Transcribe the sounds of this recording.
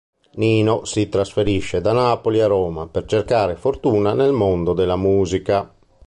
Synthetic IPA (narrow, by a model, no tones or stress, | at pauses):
niːnosit̪ɾasfeɾiʃːed̪anaːpoliaɾɔːmapɛrt͡ʃerkaːɾefoɾt̪uːnanelmond̪od̪elamuːzika